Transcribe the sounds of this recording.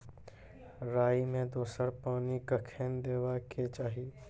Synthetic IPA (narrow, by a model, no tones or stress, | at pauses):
ɾaːimẽd̪oːsəɾpaːnikəkʰeːnd̪eːʋaket͡ʃaːɦi